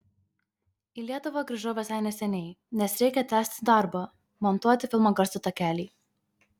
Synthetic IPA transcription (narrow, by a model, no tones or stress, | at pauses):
ɪlʲiɛt̪ʊʋɐɡɾʲɐʒoːʋʲɛsɑˑɪnʲɛsʲɛnʲɛɪnʲɛsɾʲɛɪkʲɛt̪ʲæːsʲt̪ʲd̪ɑˑɾbɐ | mɔnt̪uɔt̪ʲɪfʲɪlˠmoːɡɐɾst̪ʊt̪ɐkʲæːlʲiː